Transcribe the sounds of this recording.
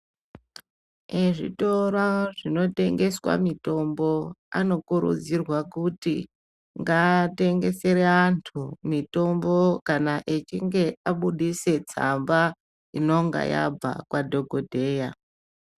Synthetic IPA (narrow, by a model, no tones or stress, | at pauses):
eʐḭto̞raʐino̞te̞ŋɡe̞swa̰mito̞mbo̞a̰no̞kuɾṵd͡zirwakutḭ | ŋɡate̞ŋɡe̞se̞ɾeantʰumito̞mbo̞kanaʔet͡ʃiŋɡe̞aɓuɗise̞t͡samba | ino̞ŋɡa̰ja̰b͡va̰kwadʱo̞ɡʱodʱe̞ːja